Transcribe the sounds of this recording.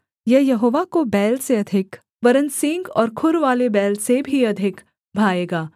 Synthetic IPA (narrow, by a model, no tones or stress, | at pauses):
jɐɦjɐɦoːʋakobɛːlseɐd̪ʱɪk | ʋɐɾənsɪ̃ŋɡɔ̰ːɾkʰʊɾʋaːlebɛːlsebʱiɐd̪ʱɪk | bʱaːeːɡaː